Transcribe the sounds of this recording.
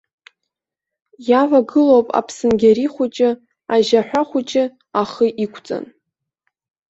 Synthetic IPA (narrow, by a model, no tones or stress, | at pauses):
javʷaɡɨlowpʼa̰pʰsɨnɡʲaɾiχʷut͡ʃʼɪ | aʒaħʷᶣaχʷut͡ʃʼɪ | aχəʔikʷʰt͡sʼa̰n